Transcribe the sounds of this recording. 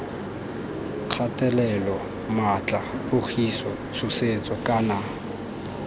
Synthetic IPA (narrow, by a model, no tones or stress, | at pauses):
q͡χʰatʼɛlɛlɔ | mat͡ɬʼabʊk͡xʰisɔ | sʰʊset͡sʼɔkʼana